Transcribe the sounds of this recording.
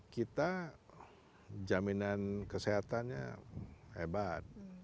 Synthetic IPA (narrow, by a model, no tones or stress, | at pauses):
kit̪a | d͡ʒaminankəseɦat̪anɲa̰ | ebat̪̚